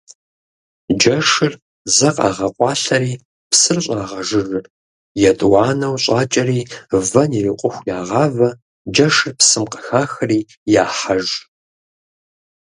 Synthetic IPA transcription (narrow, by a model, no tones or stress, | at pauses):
d͡ʒɐʂɨr | zɐqʼɑ̰ːʁɐqʷʼɑːɬɐɾiː | psɨrɕʷʼaːʁɐʒɨrɨr | jɛtʼwɑːnɐwɕʼaːt͡ʃʼɐɾiːvɐniriqʷʼʊxʷjaːʁɑːvɐ | d͡ʒɐʂɨrpsɨmqʼəxaːxɐriː | jaːħaʒ